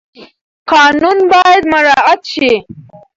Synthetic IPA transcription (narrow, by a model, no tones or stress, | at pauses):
qɑːnunbɑjad̪maɾɑʔat̪ʃi